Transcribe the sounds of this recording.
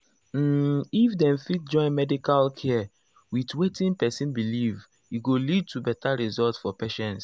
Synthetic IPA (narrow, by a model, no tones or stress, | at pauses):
m̩ifdɛ̃mfit̚d͡ʒɔ̃ɪ̃nmɛdikalkʰɛ | witwetĩnpɛsĩnbiliv | iɡolid̚tubɛtaɹizɔltsfɔpeʃɛ̃ns